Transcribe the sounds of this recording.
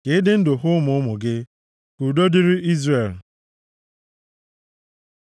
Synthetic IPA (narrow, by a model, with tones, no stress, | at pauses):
ke˨˦dɪ˦n̩˦dʊ˨ɦʊ˦mʊ˨˦ʊ˦mʊ˨ɡɪ˦ | ku˨do˦di˦ɾɪ˦i˦zre˨l